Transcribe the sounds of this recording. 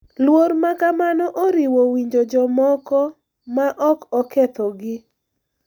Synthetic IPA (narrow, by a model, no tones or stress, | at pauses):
lwoɾmakamanɔʔoɾiwowiɲd͡ʒod͡ʒɔmɔkɔ | maʔɔkɔket̪ɔɡɪ